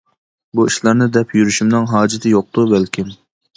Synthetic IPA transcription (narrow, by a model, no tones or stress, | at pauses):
buiʃlˠɑɾnɨd̪ɛpʰjyɾyʃymnɨŋɦɑːd͡ʒɪt̪ʰɪjoq̚d̪ʊbælkʲʰɪm